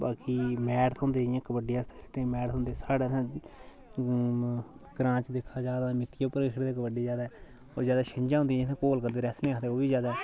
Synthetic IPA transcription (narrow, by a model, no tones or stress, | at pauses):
baːkiːmɛːɾt̪ʰɦõːnd̪eːjãːkəbəɖeːãːst̪ʰːʈːẽːmɛːɾt̪ʰɦʊ̃nd̪eːsaːɽeːt̪ãː | ɡɾãːt͡ʃd̪ekʰaːd͡ʒaːd̪aːmɪt̪ʰːijapːəɾkʰəɽd̪eːk̬əbəɖeːzaːd̪aː | oːzjaːd̪aːʃəɪ̃ɲd͡ʒãːɦʊ̃nd̪ij̃t̪ʰãkoːlkəɾd̪eːɾɛːsnẽːakt̪eːoːʋiːzjaːd̪aː